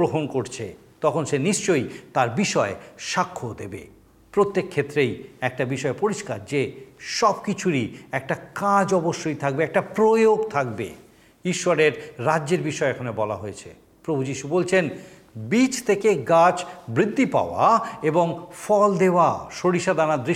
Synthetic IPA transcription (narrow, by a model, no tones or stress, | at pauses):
ɾoɦonkoɾt͡ɕʰḛ | t̪ɔkʰonʃeniʃt͡ɕojt̪aɾbiʃɔeʃakʰːod̪ḛbḛ | pɾot̪ːekʰːet̪ːɾejɛk̚ʈabiʃɔepoɾiʃka̰ɾd͡ʑeʃɔbkit͡ɕʰuɾiɛk̚ʈakad͡ʑɔboʃːojt̪ʰak̚beɛk̚ʈapɾojoɡt̪ʰak̚bḛ | iʃːaɾeɾːadːeɾbiʃɔeɛkʰanebɔla̰ɦojet͡ɕʰḛ | pɾobʱud͡ʑiʃubolt͡ɕʰen | bit͡ɕt̪ʰekeɡat͡ɕbɾid̪ʱːipa̰oa̰eboŋfɔld̪eoaʃoɽiʃad̪anad̪ɾi